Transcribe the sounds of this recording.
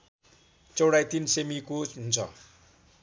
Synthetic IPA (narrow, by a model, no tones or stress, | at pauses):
t͡sʌwɽajt̪insemikoɦunt͡sʰʌ̰